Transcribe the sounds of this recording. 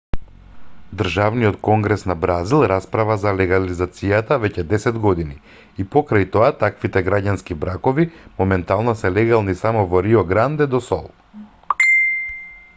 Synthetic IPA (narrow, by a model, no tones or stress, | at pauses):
d̪r̩ʒavnijɔt̪kɔŋɡɾɛsnabɾazilˠɾaspɾavazalɛɡalizat̪sijat̪avɛcɛd̪ɛsɛd̪ɡɔd̪ini | ipɔkɾajt̪ɔat̪akvit̪ɛɡɾaɟanskibɾakɔvimɔmɛnt̪alˠnɔsɛlɛɡalˠnisamɔvɔɾiɔɡɾand̪ɛd̪ɔsɔ̰lˠ